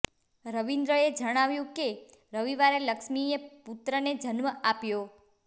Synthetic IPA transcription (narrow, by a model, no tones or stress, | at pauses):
ɾəʋind̪ɾəed͡ʒəɽ̃aʋjũke | ɾəʋiʋaɾeləkʃmieput̪ɾəned͡ʒənməapjo